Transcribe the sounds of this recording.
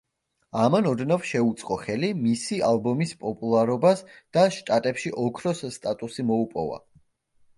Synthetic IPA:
amanɔd̪nafʃɛut̪sʼqʼɔχɛlimisialˠbɔmispʼɔpʼulˠaɾɔbasd̪̥aʃt̪ʼat̪ʼɛpʃiʔɔkʰɾɔsːt̪ʼat̪ʼusimɔupʼɔ̰va̰

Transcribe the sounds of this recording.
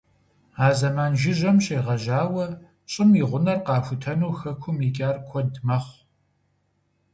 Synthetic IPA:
aːzɐmaːnʒɪʑɐmɕʼeːʁɐʒaːwɐ | ɕʼɪmiʁʷʊnɐrqɑːfʷʊtʰɐnuːxɐkʷʰʊmiːkʲʼaːrkʷʰɔdmɐχʷ

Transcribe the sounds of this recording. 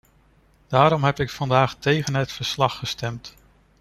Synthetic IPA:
d̥aːɾɔmɦɛpɪkfɑndaːχtejχənɦətfəɹslɑχːəstɛmt

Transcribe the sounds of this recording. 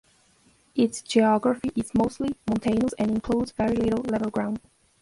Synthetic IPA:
ʔɪtsd͡ʒiɑɡɹəfiʔɪzmoʊstˡlimə̃ntʰẽɪ̃nəsɨ̃nɪ̃nkʰl̥udzvɛɹilɪɾl̩ˠlɛvl̩ˠɡɹãʊ̃nd̥

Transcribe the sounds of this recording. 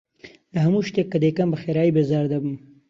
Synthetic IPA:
laɦamuʃt̪ekːad̪ekambaxeɾɑibezɑɾd̪abum

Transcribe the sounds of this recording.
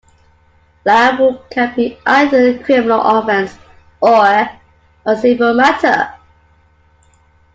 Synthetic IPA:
læbʊkʰãnbiʔaɪðəkʰɹ̥ɪmɪnə̰lʔɔfɛ̃ns | ɔ | əsɪ̃bəlˠmætʰə̰

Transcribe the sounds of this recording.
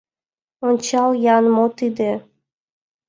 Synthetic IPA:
onʲt͡ɕɑljɑnmot̪id̪e

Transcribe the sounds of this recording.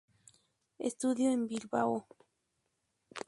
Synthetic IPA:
ḛst̪uðjoembilβao

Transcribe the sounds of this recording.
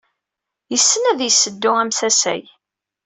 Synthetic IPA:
jəsːənæðjəsːəd̪ːʊæmθæsæ̰j

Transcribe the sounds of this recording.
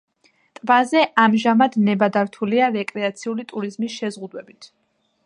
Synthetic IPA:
t̪ʼvazɛʔamʒamad̪nɛbad̪aɾt̪ʰuliaɾɛkʼɾɛat̪sʰiulit̪ʼuɾizmisʃɛzʁud̪wɛbit̪ʰ

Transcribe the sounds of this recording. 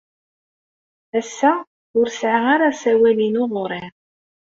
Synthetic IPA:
æsːæ | ʊɾsʕaaɾasæwælinʊʁɾˤɪn

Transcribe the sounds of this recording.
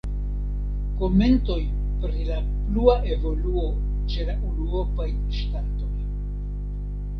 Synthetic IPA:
ko̞me̞nto̞j | pɾila | pluaʔe̞vo̞luo̞ | t͡ʃe̞laʔuluo̞paj | ʃtato̞j

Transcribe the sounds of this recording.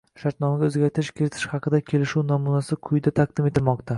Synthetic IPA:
ʃaɾt̪nɒmaɡʲaɵzɡʲaɾt̪ʰɪʃkʲʰeɾɪt̪ʰɪ̥ʃhɑqʰɨd̪akʲʰe̞lɪʃuwnɒmunasɪkʰʊjd̪at̪ʰaq̚d̪ɪme̞t̪ʰɪlmɒqt̪ʰa

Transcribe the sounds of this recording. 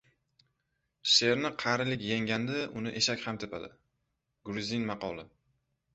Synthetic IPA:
ʃe̞ɾnɪqʰɑɾɪlɪkʲjaŋɡʲand̪ɪʔʊnɪʔeʃakʲhamt̪ʰɪpʰad̪ɪ̰ | ɡʊɾzinmɑqʰɒ̰lˠɪ

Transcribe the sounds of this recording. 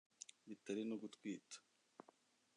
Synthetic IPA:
βitaɾinuɡutkwiːtḁ

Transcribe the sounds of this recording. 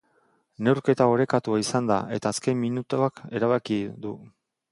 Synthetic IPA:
ne̞wɾke̞t̪ao̞ɾe̞kat̪uaisand̪a̰ʔe̞t̪aːske̞mminut̪oake̞ɾaβakiðu

